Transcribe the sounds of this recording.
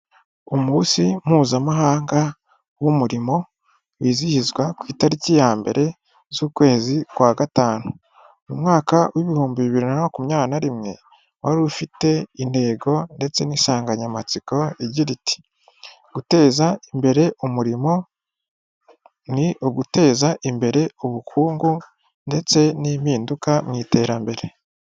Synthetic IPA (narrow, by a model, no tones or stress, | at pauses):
omusim̥huːzamaɦaːŋɡa | wumuɾimo̞ | wiːzihizɡwakwiːtaɾicijaːmbe̞̰ɾʔe̞ | zuːkwe̞ːzikwaːɡataːnu | numŋaːkawʔiβihuːmbiβiβiɾinaokumɲaːnaɾimŋe̞̰ | waɾufite̞inde̞ːɡo̞nde̞t͡se̞nisaːŋɡaɲamat͡siko̞iɟiɾiti̥ | ɡ̥ute̞ːzaimbe̞ɾe̞ʔumuɾimo̞ | niʔoɡute̞ːzaʔimbe̞ɾe̞uβukʰuːŋɡu | nde̞t͡se̞nimhiːndukamŋiːte̞ːɾambe̞ɾe̞